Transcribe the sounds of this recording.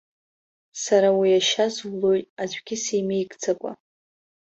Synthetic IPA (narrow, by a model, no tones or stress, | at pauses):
saɾawiaʃazwlo̞jtʼad͡ʒʷʼɡʲɪsejmejɡʼd͡zʰakʷʼa̰